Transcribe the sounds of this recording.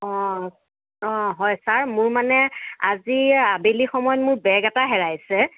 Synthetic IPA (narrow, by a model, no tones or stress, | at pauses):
ɔ | ɔɦɔjsaɹmʊɹmanɛaziabelixɔmɔjɔtmʊɹbɛɡɛtaɦɛɹajsɛ